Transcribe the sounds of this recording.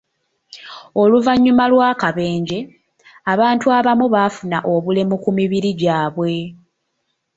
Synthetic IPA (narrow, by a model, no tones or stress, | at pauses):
o̞luvaɲːumalwaːkaβe̞ːɲɟe̞ | aβaːntuaβamuβafuna̰ʔo̞βulemukumiβiɾiɟaːβwe̞